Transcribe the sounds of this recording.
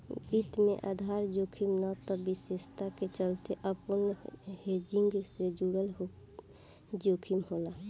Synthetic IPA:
it̪mḛ̃ʔa̰d̪ʱaɾd͡ʒoːkʰimnət̪ɔbisest̪ʰaket͡ʃəlt̪eʔəpənhed͡ʒiŋɡsed͡ʒuɽəl | d͡ʒoːkʰimɦola

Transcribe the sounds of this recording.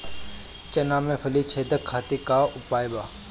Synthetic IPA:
t͡ʃɐnaːmẽfʰɐlit͡ʃʰeːd̪əkʰːaːt̪ikaʊpaːjbaː

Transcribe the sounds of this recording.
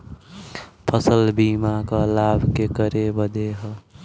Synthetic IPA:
pʰʌsəlbimakalabʱkekəɾebəd̪eɦʌ

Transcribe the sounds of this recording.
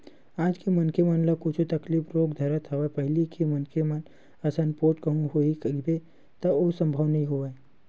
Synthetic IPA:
aːd͡ʒkimɐnkemɐnlakʊt͡ʃʰut̪ɐklifɾoːɡd̪ʱɐɾət̪ʰɐʋapɐɦɪlikʰimɐnkʰemɐn | ɐsɐnpoːʈkɐɦũɦoikɡbe | t̪ɐosə̃mbʱəʋnəĩɦoʋae

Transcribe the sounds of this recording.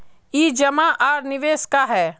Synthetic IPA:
iːd͡ʒɐmaʔaːɾnɪʋeːskaɦɛː

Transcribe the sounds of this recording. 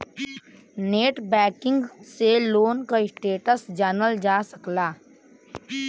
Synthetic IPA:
neːʈbɛːkɪ̃ŋɡseloːnkaɪsʈeːʈəsd͡ʒaːnəld͡ʒaːsəklaː

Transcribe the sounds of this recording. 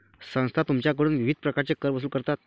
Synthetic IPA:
sə̃ŋst̪ʰat̪umt͡ɕjak̬əɾɽuːnʋiʋid̪̚ʱpɾəkaɾt͡sekəɾʋəsuːlkəɾt̪at̪̚

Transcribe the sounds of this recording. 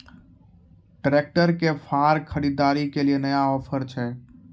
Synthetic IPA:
ʈɾek̚ʈəɾkepʰaɾkʰəɾid̪aːɾikelienəjaɔːpʰəɾt͡ʃʰɛ

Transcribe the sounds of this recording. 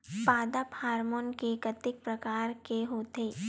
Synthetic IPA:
paːd̪aphaːɾmoːnkekɐt̪ɪk̚pɾɐkaːɾkeɦoːt̪eː

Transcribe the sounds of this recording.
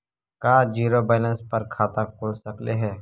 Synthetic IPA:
kaːd͡ʒiːɾobɛːlə̃nspɐɾkʰaːt̪akʰoːlsɐkleɦɛː

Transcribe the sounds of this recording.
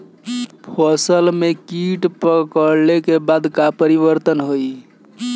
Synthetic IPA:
pʰəsəlmekiʈpəkəɾlekebad̪kapəɾiβəɾt̪ənɦoj

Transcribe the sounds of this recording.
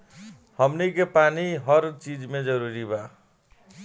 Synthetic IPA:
hʌmnikepaniɦʌɾt͡ʃid͡zmed͡zʌɾuɾiba

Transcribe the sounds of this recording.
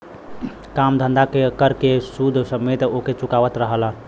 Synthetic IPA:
kamd̪ʱə̃nd̪akekəɾkesud̪ʱsəmet̪oket͡ʃʊkaʋət̪ɾəɦəla

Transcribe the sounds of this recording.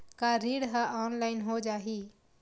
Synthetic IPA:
kaɾiːɽɦaʔɔːnlaːɪnɦod͡ʒaːɦiː

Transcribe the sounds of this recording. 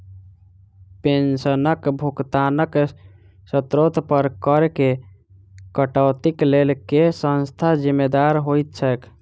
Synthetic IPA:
pensənəkbʱukt̪anək | sət̪ɾot̪pəɾkəɾke | kəʈəwt̪iklelkesə̃nst̪ʰad͡ʒimːed̪aɾɦojt̪̚t͡ʃʰək

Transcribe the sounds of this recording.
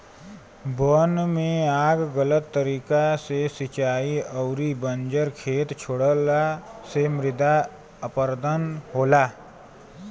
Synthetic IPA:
bonmẽaːɡɡələt̪ːəɾiːkasesɪt͡ʃaːiəʊɾibə̃nd͡ʒəɾkʰeːt̪t͡ʃʰoɽəlasemɾɪd̪a | əpəɾd̪ənɦoːlaː

